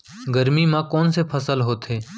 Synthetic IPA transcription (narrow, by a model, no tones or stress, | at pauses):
ɡəɾmiːmãːkɔːnsepʰəsəlɦoːt̪ʰeː